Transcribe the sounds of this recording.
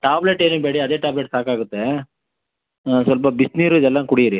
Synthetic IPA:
ʈaːbleʈeːnubeːɽiɐd̪e̞ːʈaːbleʈsaːkaːɡut̪ːe | sʋɐlp̬ɐbisniːɾuid̪ɛlːɐnkuɽijɾi

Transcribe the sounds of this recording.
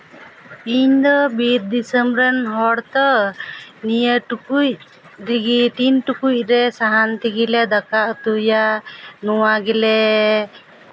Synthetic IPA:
iɲd̪ɔbiɾd̪isəmbɾɛnɦɔɽt̪ɔ | nijəʈukuc | ɾiɡiʈinʈukuc̚ˀɾɛsaɦant̪iɡilɛd̪akaʔt̪ujanɔwaɡilɛ

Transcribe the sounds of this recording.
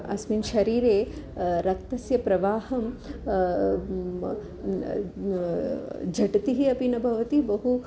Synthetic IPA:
ɐ̰sminʃɐɾiːɾeːɾɐk̚t̪ɐsjɐpɾɐʋaːhɐm | d͡ʒʱɐʈɐt̪iɦiɐpinɐbʱɐʋɐt̪ibɐɦu

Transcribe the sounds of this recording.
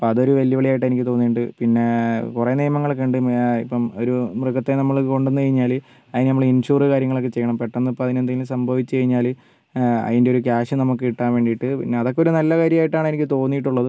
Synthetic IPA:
poɐðoɾuʋɐljɐʋɐɭijaːjiʈːɨɐenikʲːɨt̪oːnːiɳɖɨpinːe̞kurenijɐmɐŋːɐɭokːeɳɖɨḭpːɐmoɾumrɨkːɐt̪ːenɐmːɐɭko̞ɳɖunːɨkɐjiɲːaːlɨ | ɐðinɨnɐmːɐɭinɕuːrɨkaːɾjɐŋːɐɭo̞kːet͡ɕe̞jːɐɳɐmpeʈːɐnːɨpːɐðinend̪eŋɡilsɐmbʱɐʋit͡ɕːɨt͡ɕɐjiɲːaːl | ɐ̰ðinde̞oɾukaːɕɨnɐmukːɨiʈːaːnʋe̞ːɳɖijiʈːɨpḭnːeɐðo̞kːeo̞ɾunɐlːɐkaːɾjɐmaːjiʈːaːɳɨenikʲːɨt̪o̞ːnːijiʈːuɭːɐðɨ

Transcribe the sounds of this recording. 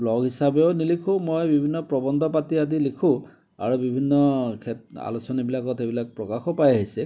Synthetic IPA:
blɔɡɦisabeʊnilikʰũmojbibʱinːɔpɹɔbɔnd̪ʱɔpatiadilikʰũ | a̰ɹubibʱinːɔkʰɛa̰lusɔnibilakɔtebilak̚pɹɔkaxɔpajaɦisɛ

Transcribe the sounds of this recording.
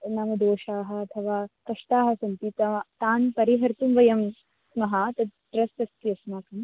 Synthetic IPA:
naːmɐd̪oːʃaːɦɐ̆ɐt̪ʰɐʋaːkɐʂʈ̪aːɦɐsɐnt̪it̪ɐt̪aːnpɐɾiɦɐɾt̪umʋɐjɐm | smɐɦɐt̪ɐʈɾɐst̪ɐst̪ijɐsmaːkɐm

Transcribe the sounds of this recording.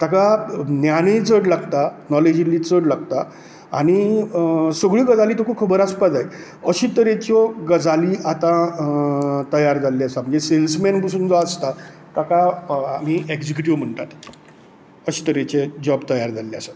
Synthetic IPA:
t̪akanjanit͡səɽlaɡt̪anɔled͡ʑilit͡səɽlaɡt̪a | a̰ɽ̃i | səɡɭiːɡəd͡zaliːt̪ɔkʰukʰəbəɾaspad͡zaj | əɕit̪əɾet͡ɕɔɡəd͡zaliːat̪ã | t̪əjaɾd͡zalːiasam̤əd͡ʑeselsmenpəsuːnd͡zɔəst̪at̪akaam̤ieɡd͡ʑek̬ʲuʈiʋm̤əɳʈ̪at̪ | əɕi̥t̪əɾet͡ɕed͡ʑɔbt̪əjaɾd͡zalːeasa

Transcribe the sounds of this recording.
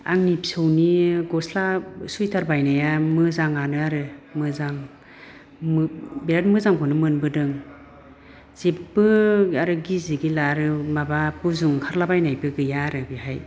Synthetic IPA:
a̰ŋnipi̥sɯwniɡɔslasujtʰaɾbajnajamɯzaŋanɯaɾɯmɯzaŋ | mbeɾat̚mɯzaŋkʰɔnɯmɯnbɯdɯŋ | z̥epbɯaɾɯɡiziɡilaɾɯmabapuzuŋkʰaɾlabajnajbɯɡɯjaɾɯbiɦaj

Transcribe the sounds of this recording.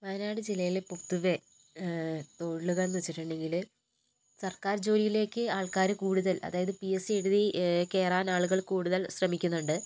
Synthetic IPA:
ʋɐnaːɽɨd͡ʑilːɐjilepot̪ːuʋe̞ | t̪o̞ːɻɭːuɣɐɭnuʋɐt͡ɕːiʈːuɳɖe̞ŋɡil | sɐrkaːɾd͡ʑo̞ːɾijile̞ːkːɨaːɭkaːɾɨkuːɽuðɐlʔɐ̰ðaːjɐðɨpijeseɽuðike̞ːraːnaːɭuɣɐɭkuːɽuðɐlsrɐmikʲːunːuɳɖɨ

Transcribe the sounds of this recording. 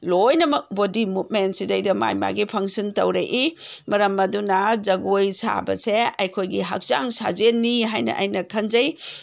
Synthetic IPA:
lojnɐmɐk̚bodimut̚mentsidɐjdɐma̰jma̰ɡipʰɐŋsɐntɐwɾɐ̰ʔimɐɾɐmːɐdunɐd͡ʒɐɡojsa̰bɐ̰seɐjkʰojɡiɦɐ̰k̚t͡ʃaŋsa̰d͡ʒenːiɦajnɐ̰ʔɐ̰jnɐkʰɐnd͡ʒɐj

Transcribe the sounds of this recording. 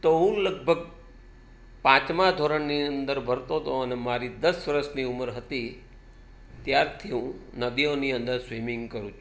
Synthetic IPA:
t̪oɦũləɡ̚bʱəɡ̚ | pãt͡ʃmad̪ʱoɾəɳniənd̪əɾbʱəɾt̪ot̪ʰoənemaɾid̪əsʋəɾəʃniuməɾɦət̪i | t̪jaɾt̪ʰiɦũnəd̪ioniənd̪əɾsʋimɪ̃ŋɡkəɾũt͡ʃʰu

